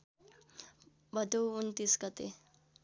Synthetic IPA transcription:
bəd̪ʱuwunt̪iskət̪e

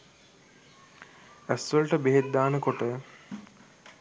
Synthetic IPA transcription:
æsːolʈəbeɦed̪aːnəkoʈə

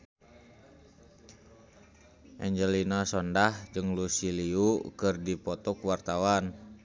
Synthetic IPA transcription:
ʔɛɲd͡ʒəlinasɔndahd͡ʒɨŋlusiliukɨrdipɔt̪ɔkwart̪awan

